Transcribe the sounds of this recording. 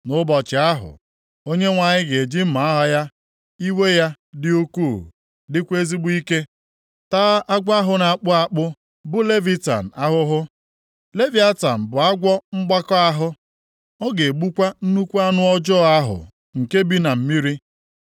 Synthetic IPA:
nʊ˦bɔ˨t͡ʃɪ˨a˦ɦʊ̰˨ | o˦ɲe˦ŋʷa˨ɲɪ˦ɡe˨d͡ʒi˦m̩˦ma˨a˦ɦɔ˦ja˦ | i˦we˦ja˦ | dɪ˦u˦ku˦˨ | dɪ˦kʷe˦zi˦ɡ͡bʊ˦i˦ke˦ | taː˦a˦ɡʷa˦ɦʊ˦na˨k͡pʊ˦a˨k͡pʊ˦ | bʊ˦le˦vi˦ta̰˨n̩˨a˦ɦʊ˦ɦʊ˦ | le˦vi˨˦a˦ta̰˨m̩˨bʊ˨a˦ɡʷɔ˦ŋ͡m̩˦ɡ͡ba˦kɔ˦a˦ɦʊ˦ | ɔ˦ɡe˨ɡ͡bu˦kʷa˦n̩˦nu˦kʷu˦a˦nʊ˦ɔ˦d͡ʒɔː˦˨a˦ɦʊ̰˨ | ŋ̩˨ke˦bi˦na˨m̩˦mi˦ɾi˦

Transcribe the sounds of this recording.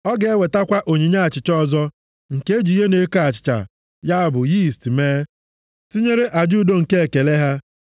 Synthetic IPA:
ɔ˦ɡe˨e˦we˨ta˦kʷa˦ʔo˨ɲi˨ɲa˦a˨t͡ʃɪ˨t͡ʃɔ˦˨zɔ˦ | ŋ̩˨ke˦d͡ʒi˨˦ɦe˦ne˨˦ka˦a˨t͡ʃɪ̥˨t͡ʃa̰˨ | ja˦a˦bʊ˨ji˦˨stmeː˦ | ti˦ɲe˦ɾe˦ʔa˨d͡ʒu˦˨do˦˨ŋ̩˨ke˦e˨ke˨le˦ɦa˦

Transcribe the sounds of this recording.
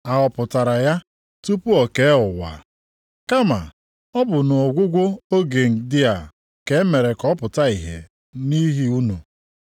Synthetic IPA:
a˨ɔ˨pʊ˨ta˨ɾa˨ja˦ | tu˦pu˦ɔ˨ke˨˦e˦ʊ˨wa̰˨ | ka˦ma̰˨ | ɔ˦bʊ˨nʊ˨ɔ˨ɡʷʊ˦ɡʷo˦o˦ɡe˨n̩˨dɪ˦a˨ | ke˨˦me˨ɾe˨kɔ˦pʊ˨ta˦i˨ɦḛ˨ | ni˦ɦi˦u˦nu˨

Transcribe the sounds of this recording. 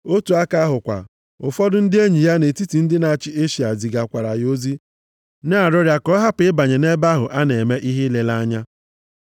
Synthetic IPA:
o˦tu˨a˦ka˦ɦʊ˨kʷa̰˨ | ʊ˨fɔ˦dʊ˦n̩˦dɪ˦e˦ɲi˨ja˦ne˨ti˦ti˨n̩˦dɪ˦na˨a˨t͡ʃɪ˦e˦ʃi˨a˨zi˨ɡa˨kʷa˨ɾa˨jo˦zi˦ | na˦a˨ɾɔ˦ɾja˦kɔ˦ɦa˦pɪ˦ba˨ɲe˨ne˦ba˦ɦʊ˨ʔa˦ne˨me˦ʔi˦ɦi˦le˨la˦ɲa˦

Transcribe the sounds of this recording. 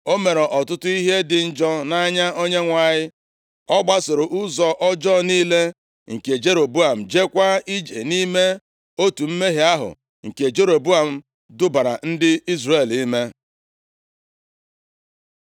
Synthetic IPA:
o˦me˨ɾe˨ʔɔ˨tʊ˦tʊ˦i˦ɦe˦dɪ˨n̩˦d͡ʒɔ˦na˦ɲa˦o˦ɲe˦ŋʷa˨ɲɪ˦ | ɔ˦ɡ͡ba˦sɪ˨ɾʊ˨ʔʊ˦zɔ˨ʔɔ˦d͡ʒɔ˦˨niː˦le˦ | ŋ̩˨ke˨d͡ʒe˦ɾo˨bu˦a˨m̩˨d͡ʒe˦kʷa˦i˦d͡ʒḛ˨ni˦me˦ | o˦tu˨m̩˦me˦ɦe˨a˦ɦʊ̰˨ | ŋ̩˨ke˨d͡ʒe˦ɾo˨bu˦a˨m̩˦ | dʊ˦ba˨ɾa̰˨n̩˦dɪ˦i˦zre˨li˦me˦

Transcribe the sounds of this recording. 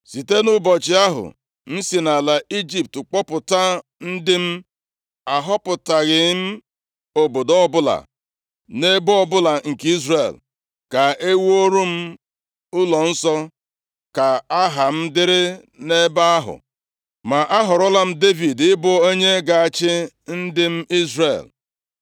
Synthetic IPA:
si˨te˦nʊ˦bɔ˨t͡ʃɪ˦a˦ɦʊ̰˨ | n̩˦si˨na˨la˨i˦d͡ʒi˨p̚tk͡pɔ˦pʊ˨ta˦n̩˦dɪ˦m̩˦ | a˨ɦɔ˦pʊ˨ta˨ɣɪ˨˦m̩˦ | o˨bo˨dɔ˦bʊ˦la̰˨ | ne˦bɔ˦bʊ˦la˨ŋ̩˨ki˦zrḛ˨l | ka˨e˦wo˦ɾu˦m̩˦ | ʊ˦lɔ˨n̩˦sɔ˦ | ka˨a˦ɦa˨m̩˦dɪ˦ɾɪ˦ | ne˦ba˦a˦ɦʊ̰˨ | ma˨ʔa˦ɦʊ˨ɾʊ˦la˦m̩˦de˦vi˨dɪ˦bʊ˦o˦ɲe˦ɡa˨a˨t͡ʃɪ˦ | n̩˦dɪ˦m̩˦i˦zrḛ˨l

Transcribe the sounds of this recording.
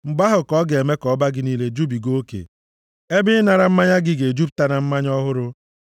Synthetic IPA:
m̩˨ɡ͡ba˦ɦʊ˨kɔ˦ɡe˨e˨me˦kɔ˨˦ba˦ɡɪ˦niː˦le˦d͡ʒu˦bi˨ɡo˦kḛ˨ | e˦bɪ˦na˨ɾa˨m̩˦ma˦ɲa˦ɡɪ˦ɡe˨d͡ʒu˦p̚ta˦na˨m̩˦ma˦ɲɔ˦ɦʊ˦ɾʊ˦

